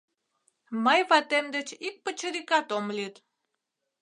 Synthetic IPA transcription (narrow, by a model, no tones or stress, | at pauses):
məjβɑt̪emd̪ət͡ɕik̚pət͡ɕəɾikɑt̪omlit̪